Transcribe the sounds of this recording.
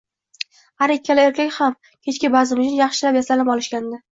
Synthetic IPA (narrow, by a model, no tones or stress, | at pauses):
haɾekʲʰːalɪeɾkʲʰakʲham | kʲʰe̞t͡ʃkʲɪbazɪmɪd͡ʒ̪ɪjɑχʃɪlapjasalɪpɒlɪʃkʲand̪ɪ